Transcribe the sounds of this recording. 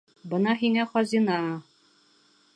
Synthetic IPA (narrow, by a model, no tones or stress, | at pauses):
bɤnɑɦiŋæχɒzinɑ